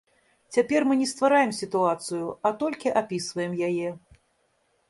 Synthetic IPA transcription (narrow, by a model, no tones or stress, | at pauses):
t͡sʲapʲɛrmɨnʲɛst̪vaɾajɛmsʲit̪uat̪sɨjuat̪ɔlʲkʲiʔapʲisvɐjɛmjajɛ